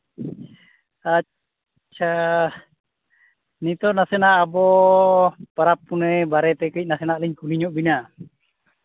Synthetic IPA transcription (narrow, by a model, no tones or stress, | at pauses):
a | t͡ʃa | nit̪ɔnasɛnaʔːbɔ | paɾapːunɛjbaɾɛt̪ɛkəic̚nasɛnaʔliɲkuniɲɔʔbina